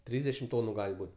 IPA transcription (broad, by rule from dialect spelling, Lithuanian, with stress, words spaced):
ˈtʲrʲiːzʲdʲɛʃʲɪm ˈtoːnʊ ˈɡɐlʲ ˈbuːtʲ